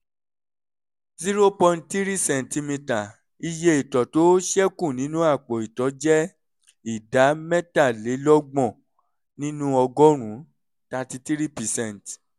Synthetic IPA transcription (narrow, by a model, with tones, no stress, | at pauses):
zi˦ɾo˦pɔ̃˧nti˦ɾi˦sɛ̃˨n˨ti˧mĩ˧ta˨ | i˧je˧i˨tɔ˨to˨˦ʃɛ˦kũ˦˨nĩ˨˦nũ˦a˦˨k͡pɔ˨i˨tɔ˨˦d͡ʒɛ˦ | i˦˨da˨˦mɛ̃˦ta˦˨le˨˦lɔ˦ɡ͡bɔ̃˦˨ | nĩ˦nũ˦ɔ˧ɡɔ˦ɾ̃ũ˨˦ | ta˧ti˦ti˦ɾi˦pi˨sɛ̃˦˨n˨t